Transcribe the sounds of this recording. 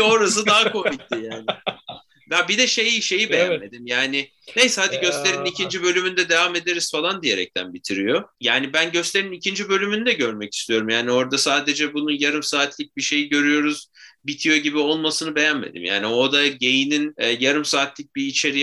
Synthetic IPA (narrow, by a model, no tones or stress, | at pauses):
o̞ɾas̬ɯd̪aɦako̞mic̚t̪ʲijaːn | b̪abid̪ɛʃe̞jiʃe̞jibejænme̞d̪imjaːnɪ | ne̞jsɛhad̪iɟø̞slʲeɾinicʰind͡ʒibø̞lʲymynd̪ɛd̪evame̞d̪eɾiz̥falˠand̪ije̞ɾɛ̰c̚t̪ʰæ̰nbit̪ʰiɾijo̞jaːnibænɟø̞stlʲe̞ɾinicʰind͡ʒibø̞lʲymynd̪ɛɟø̞ɾmɛci̥st̪ʰijo̞ɾumjaːnio̞ɾd̪asaːd̪e̞d͡ʒɛbununjaɾɯmsaːt̪lʲic̚biʃe̞jiɟø̞ɾyjo̞ɾuz̥bit̪ʰijo̞ɟibio̞lˠmasɯnɯbe̞jænme̞̰d̪ḭmja̰ːnio̞d̪aɟe̞jininːjaɾɯmsaːt̪lʲic̚biːt͡ʃʰe̞ɾi